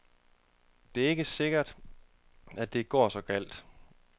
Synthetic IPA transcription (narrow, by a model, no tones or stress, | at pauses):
d̥e̝æɐe̝ɡ̥əse̝ɡ̥ɐd̥ | ædd̥e̝ɡ̥ɒ̰ːsɒ̽kʰæl̰d̥